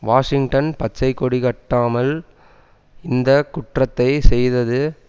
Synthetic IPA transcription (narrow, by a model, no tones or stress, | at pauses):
ʋaːʂɪŋɡʈɐnpɐt͡ʃːɐɪkːɔɽikɐʈːaːmɐl | ɪnd̪ɐkʊʈrɐt̪ːɐɪsɛjðɐðɯ